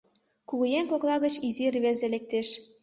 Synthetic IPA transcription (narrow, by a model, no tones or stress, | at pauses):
kuɣujeŋkoklˠɑɣət͡ɕizirβezelek̚t̪eʃ